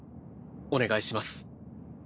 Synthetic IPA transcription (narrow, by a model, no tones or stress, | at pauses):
o̞ne̞ɡaiɕimasɨ̥